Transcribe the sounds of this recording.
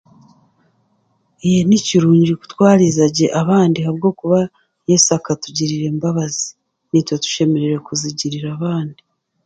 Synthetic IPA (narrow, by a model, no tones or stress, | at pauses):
ejeniciɾuːɲɟiku̥twaːɾizaɟe̞ʔaβaːndihaβɡo̞ːkuβa | jesakatuɟiɾiɾe̞ːmbaβazi̥ | nitwetu̥ʃe̞me̞ɾe̞ɾekuziɟiɾiɾaβaːndi̥